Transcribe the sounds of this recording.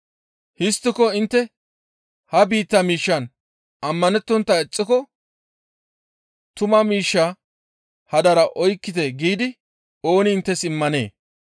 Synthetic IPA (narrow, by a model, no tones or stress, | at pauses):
hɪst̪ːɪkɔɪnt̪ːɛ | hɐbiːt̪ːɐmiːʃːɐn | ɐmːɐnɛt̪ːɔnt̪ːɐɛt͡sʼːɪkɔ | t̪ʊmɐmiːʃːa | hɐd̪ɐɾɐʔɔjkːɪt̪ɛɡiːd̪ɪ | o̞ːnɪːnt̪ːɛsɪmːɐnḛː